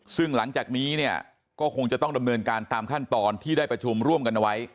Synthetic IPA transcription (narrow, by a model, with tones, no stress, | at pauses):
sɯ˥˩ŋla˩˦ŋt͡ɕaː˨˩k̚niː˦˥ni˥˩ə | kɔː˥˩kʰo˧ŋt͡ɕa˨˩t̪ɔ˥˩da˧mnɤː˧nkaː˧nt̪aː˧mkʰa˥˩nt̪ɔː˧nt̪ʰiː˥˩daː˥˩jpɾa˧t͡ɕʰu˧mɾu˥˩əmka˧nʔa˧wa˦˥j